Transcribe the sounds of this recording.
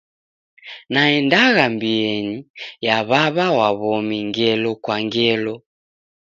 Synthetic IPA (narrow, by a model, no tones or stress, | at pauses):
naɛndaɣambiɛɲijaβaβawaβɔmiŋɡɛlɔkwaŋɡɛlɔ